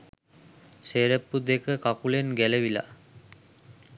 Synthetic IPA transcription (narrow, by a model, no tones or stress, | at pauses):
ʃeɾepːud̪ekəkakulenɡɛleʋila̰